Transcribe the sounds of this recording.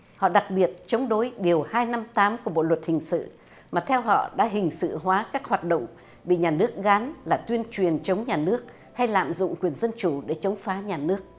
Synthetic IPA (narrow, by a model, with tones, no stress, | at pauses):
hɔ̰˧˨ɗa˨˩k̚ɓi˨˩ət̚t͡ɕə˨˦wŋ͡mɗo˨˦jɗi˨˩əwhaː˧jna˧mt̪aː˨˦mku˧˩ɓo̰˧˨lwə˨˩t̚hï˨˩ŋ̟sɨ̰˧˨ | maː˨˩t̪ʰɛ˧wɦɔ̰˧˨ɗa̰ː˧˥ɦï˨˩ŋ̟sɨ̰˧˨ɦwaː˨˦kaː˦˥k̚hwaː˨˩t̚ɗo̰˧˨wŋ͡m | ɓḭ˧˨ɲaː˨˩nɨ˦˥ək̚ɣa˨˦nlaː˨˩t̪wi˧ənt͡ɕwi˨˩ənt͡ɕə˨˦wŋ͡mɲaː˨˩nɨ˦˥ək̚ | ha˧jla̰ː˧˨mzʊ̰˧˨ŋ͡mkwi˨˩ənzə˧nt͡ɕu˧˩ɗe˧˩t͡ɕə˨˦wŋ͡mfaː˨˦ɲaː˨˩nɨ˦˥ək̚